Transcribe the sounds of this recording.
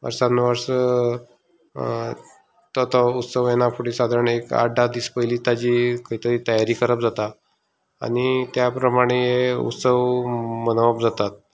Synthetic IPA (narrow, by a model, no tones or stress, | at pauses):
ə̰ɾsanːʋəɾs | t̪ɔt̪ɔut̪səʋjenafʰuɽisad̪ʱaɾəɳeka̰ɖad̪ispəɦjliːt̪ad͡ʑiːkəɦit̪əɾiːt̪əjaɾiːkəɾəpd͡zat̪a | a̰ɽ̃it̪japɾəmaɽ̃eeṵt̪səʋmənoʋap̚d͡zat̪at̪̚